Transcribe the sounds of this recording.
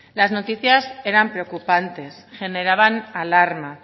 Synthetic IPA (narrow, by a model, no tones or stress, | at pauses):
lazno̞t̪iθjase̞ɾampɾeo̞kupant̪e̞sxe̞ne̞ɾaβanalaɾma